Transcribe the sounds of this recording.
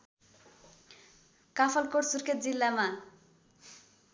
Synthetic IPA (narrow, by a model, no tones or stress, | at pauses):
kapʰʌlkoɽsurkʰet̪̚d͡zilːama